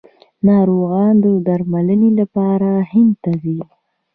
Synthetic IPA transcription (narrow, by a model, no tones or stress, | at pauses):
nɑɾoɣɑnd̪əd̪aɾmalənelapɑɾahɪnd̪̚t̪azi